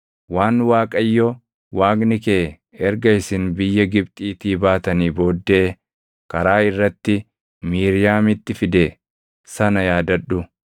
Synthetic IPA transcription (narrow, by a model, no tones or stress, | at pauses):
waːnwaːkʼɐjːɔ | waːɡnɪkeː | ɛɾɡɐɪsɪnbɪjːɐɡɪb̚t̪ʼiːt̪iːbaːt̪ɐniːbo̞ːd̪ːeː | kɐɾaːɪrːɐt̪ːɪ | miːɾɪjaːmɪt̪ːɪfɪd̪e | sɐnɐjaːd̪ɐᶑːʊ